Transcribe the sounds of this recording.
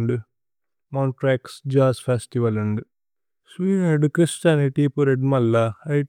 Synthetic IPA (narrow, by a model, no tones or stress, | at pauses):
ɳɖu | maɳʈɾeːksd͡ʒaːspʰeːsʈiʋɐluɳɖu | sʋiːneɖkɾist͡ʃaːniʈipuɾeɖmɐlːɐɐj